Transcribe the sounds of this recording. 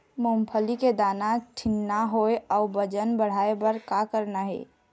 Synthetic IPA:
mompʰəliked̪anaʈʰɪnːaɦoeaʊbəd͡ʒənbəɽ̤aebəɾkakəɾnaɦɛ̰ː

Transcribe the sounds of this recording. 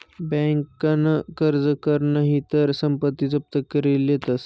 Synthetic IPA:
bɛ̃ŋkːanəkəɾd͡zəkəɾnəɦit̪əɾsəmpət̪ːit͡səp̚t̪əkəɾiljet̪əs

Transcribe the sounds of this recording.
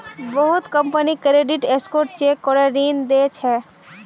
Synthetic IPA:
bəɦʊt̪kə̃mpənikɾeːɖɪʈeskoːɾʈ̚t͡ʃeːkɔːɾeɾiːnd̪eːt͡ʃɦɛː

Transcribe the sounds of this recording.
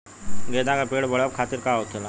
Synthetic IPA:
ɡed̪ãkapeɽbəɭəp̚kʰat̪iːɾkaot̪ʰela

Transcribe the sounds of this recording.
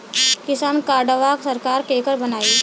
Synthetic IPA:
kɪsaːnkaːɾɖəʋaksəɾkaːɾkeːkəɾbənaːiː

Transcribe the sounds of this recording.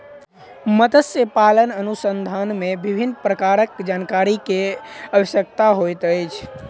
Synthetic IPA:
mət̪əsjəpalənənusənd̪ʱanmebibʱinːpɾəkaɾəkd͡ʒankaɾikeəbəsjək̚t̪aɦojt̪əjt͡ʃʰ

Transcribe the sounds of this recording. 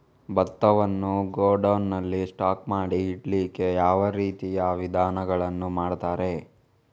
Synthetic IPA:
bɐt̪ːɐʋɐnːuɡoːɖɐwnːɐlːisʈaːkmaːɽiːʈliːke̞jaːʋɐɾiːt̪ijaʋid̪ʱaːnɐɡɐɭɐnːumaːɽt̪aːɾe̞

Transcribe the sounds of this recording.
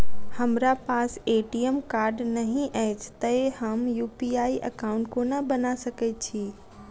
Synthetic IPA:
hɐmɾapaːseːʈiəmkaːɾɖnɐɦĩʔəɦɪt͡ɕʰt̪ɐɪhɐmjuːpiaːiʔɐkaːʊ̃ɳʈkonəbɐnasɐkɛt͡ɕʰiː

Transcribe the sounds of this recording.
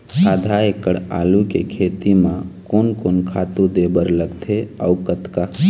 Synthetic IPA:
saːd̪ʱaekəɽa̰ːlukekʰet̪imãkoːnkoːnkʰaːt̪ud̪ebəɾləɡt̪ʰeəukət̪ka

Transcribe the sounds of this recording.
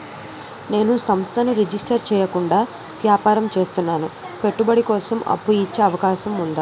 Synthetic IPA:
ne̞ːnusɐmst̪ʰɐnuɾed͡ʒisʈɐɾt͡ʃɛːjɐkuɳɖaː | ʋjaːpaːɾɐmt͡ʃe̞ːst̪unːaːnu | pe̞ʈːubɐɽikɔːsɐmɐ̰pːujit͡ʃːeɐʋɐkaːʃɐmund̪a

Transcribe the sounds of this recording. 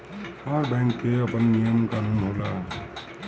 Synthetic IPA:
aɾbɛ̃ŋkːeəpənːijəmkaːnuːnɦoːla

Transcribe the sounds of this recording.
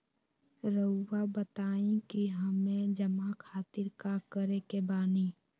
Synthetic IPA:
ɾəwabət̪aːĩkiɦəmẽd͡ʒəmakʰaːt̪ɪɾkakəɾekebaːni

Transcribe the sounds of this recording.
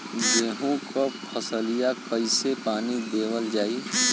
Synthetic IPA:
deːɦũkʰopʰəsəlijakəɪsepaːnid̪eːwəld͡ʒaːi

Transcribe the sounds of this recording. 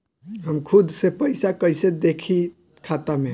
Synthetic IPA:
ɦəmkʰud̪sepəɪsakəjsed̪ekʰi | kʰat̪ame

